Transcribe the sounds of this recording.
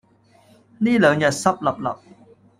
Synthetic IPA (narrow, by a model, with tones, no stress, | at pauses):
niː˥˩lɛː˨˦ŋjɐ˨˩t̪̚sɐ˥p̚lɐ˨˩p̚lɐ˨˩p̚